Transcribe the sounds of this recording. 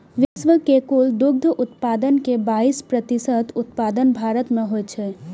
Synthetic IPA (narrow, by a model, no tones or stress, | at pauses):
ʋɪsʋəkekuld̪ʊɡ̚d̪ʱəʔʊt̪paːd̪ənkebaːispɾət̪isət̪ʊt̪̚paːd̪ənbʱaːɾət̪mẽɦot͡ʃʰɛ